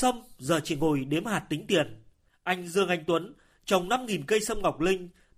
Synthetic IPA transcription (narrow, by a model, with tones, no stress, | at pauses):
sə˧mzə̰ː˧˩t͡ɕḭ˧˨˩ŋo˧˨˩jɗe˨˦əmhaː˨˩t̚t̪ï˨˦ŋ̟t̪i˨˩ən | ʔa˧jŋ̟zɨ˧əŋʔa˨˧jŋ̟t̪wə˨˦n | t͡ɕa˨˩wŋ͡mna˧mŋi˨˩nkə˧jsə˧mŋa˨˩wk͡p̚lï˧ŋ̟